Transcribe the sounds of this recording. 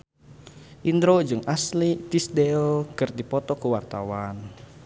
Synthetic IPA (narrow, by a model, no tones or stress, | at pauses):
ʔind̪ɾod͡ʒɨŋaslit̪isdɛlkɨrdipɔt̪ɔkəwart̪a̰wan